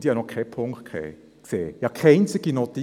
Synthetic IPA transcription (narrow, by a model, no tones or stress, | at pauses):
d̥ijɑnɔχkʰːɛpʰʊŋkt̚kʰḛː | ksḛːjɑkʰaɪnt͡sɪɡ̥inot̪i